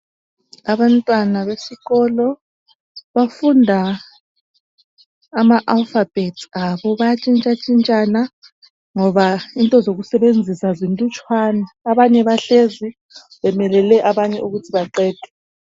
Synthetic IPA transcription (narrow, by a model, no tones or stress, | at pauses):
aβantʼwanaβesiɣɔlɔ | βafundʱa | maʔalfab̥ʱetʰi̥aβɔβajat͡ʃʼint͡ʃʼat͡ʃʼint͡ʃʼana | ŋɔβaintʼɔzoɣusɛβend͡zʱisazintʼut͡ʃʼwaːnaːβaɲɛβaɬezi | βɛmɛlɛlɛʔaβaɲɛuɣutʰiβaǃɛːd̥ʱɛ̥